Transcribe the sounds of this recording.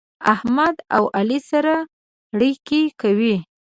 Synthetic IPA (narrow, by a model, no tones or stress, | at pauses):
ahmad̪a̰wʔalisaɾa | ɽikikawi